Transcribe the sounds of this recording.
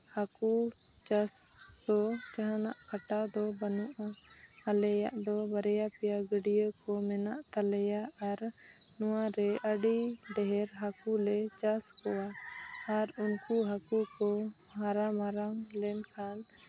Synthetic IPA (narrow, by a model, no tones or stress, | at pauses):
haku | t͡ʃas | d̪ɔt͡ʃaɦana̰ʔkʰaʈad̪ɔbənuʔa | alɛja̰ʔd̪ɔbəɾɛjapɛjaɡəɖijəkɔmɛnaʔt̪alɛjaaɾ | nɔwaɾɛʔəɖiɖɛɦɛɾɦakulɛt͡ʃaskɔwaː | ɾunkuɦakukɔ | haɾamaɾaŋlɛnkʰan